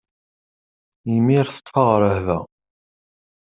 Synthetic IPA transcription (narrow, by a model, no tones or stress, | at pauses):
mːiɾθə̥t̪ˤːfɑʁɾˤəhvæ̰